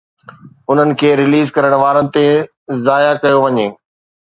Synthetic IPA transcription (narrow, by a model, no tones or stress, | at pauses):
ʊn̤ənɪ̆kʰeːɾɪliːzkɐɾəɽ̃ʋaːɾə̃n̆t̪e | zaːjakɐjoʋɐɲeː